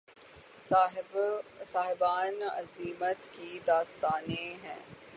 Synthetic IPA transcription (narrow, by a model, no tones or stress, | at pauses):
saːɦɪbaːnɐ̰ziːmət̪kid̪aːst̪aːnẽɦɛ̰̃ː